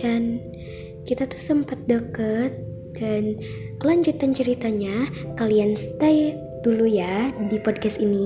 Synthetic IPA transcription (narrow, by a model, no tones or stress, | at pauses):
dan | kit̪at̪u̥hsəmpat̪̚dəkət̪̚ | d̥an | kəlaɲd͡ʒut̪ant͡ʃəɾit̪aɲakalianst̪aj | d̥ulujadipɔd̚kɛst̪ini